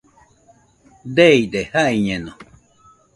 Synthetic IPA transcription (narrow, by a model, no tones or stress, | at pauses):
d̪eid̪ehaiɲẽno